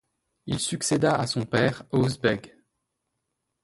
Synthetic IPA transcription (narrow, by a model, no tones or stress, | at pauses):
ilsyksed̪aasɔ̃pɛːʁozbɛɡ